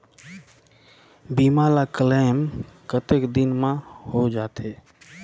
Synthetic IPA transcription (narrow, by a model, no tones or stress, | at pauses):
bimalakəlamkət̪ekd̪inmãhod͡ʒat̪ʰe